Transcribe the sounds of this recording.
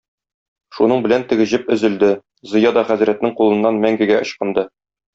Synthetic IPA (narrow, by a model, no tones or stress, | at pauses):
ʃunɤɴbɘ̆lænt̪ɘ̆ɡɘ̆ʑɘpɵ̆zɘ̆ld̪ɘ | zɤ̆jɑd̪ɒχæzɾæt̪̚nɘŋqulˠɤ̆nːɑnmæŋɡæ̆ɡæʔŏɕqɤ̆nd̪ɤ